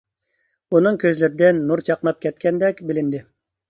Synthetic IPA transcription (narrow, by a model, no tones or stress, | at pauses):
unɨŋkʲʰøzlɪɾɪd̪ɪnːuɾt͡ʃʰɑqnˠɑp̚kʲʰɛt̪kʲɛnd̪ɛkʲbɪlɪnd̪ɪ